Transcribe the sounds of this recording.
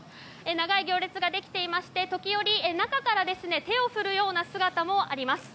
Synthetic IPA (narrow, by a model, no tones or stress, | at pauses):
enaɡaiɡʲo̞ːɾʲet͡sɨɡad̪e̞kʲi̥t̪e̞imaɕi̥t̪e̞t̪o̞kʲijo̞ɾʲinakakaɾad̪e̞sɨne̞t̪e̞o̞ɸɯ̟ɾɯ̟jo̞ːnasɨɡat̪amo̞aɾʲimasɨ̥